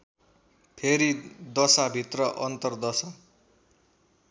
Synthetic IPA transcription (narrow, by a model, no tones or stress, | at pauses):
pʰeɾid̪ʌsabʱit̪rʌʔʌnt̪ʌrd̪ʌsʌ